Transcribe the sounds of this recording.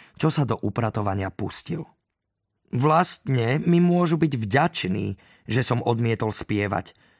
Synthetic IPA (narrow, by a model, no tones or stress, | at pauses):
t͡ʃɔsad̪ɔʔupɾat̪ɔʋaɲɪapuscḭl | ʋlast̪ɲɛmimʊɔʒubiɟvɟat͡ʃnḭː | ʒɛsɔmɔd̪mɪɛt̪ɔlspɪɛʋa̰c